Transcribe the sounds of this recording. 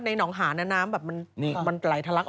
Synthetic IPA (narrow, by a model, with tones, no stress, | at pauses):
t̪̚na˧jnɔː˩˦ŋɦaː˩˦na˦˥naː˦˥mbɛː˨˩p̚ma˧nma˧nkla˨˩jt̪ʰa˧la˦˥kʔ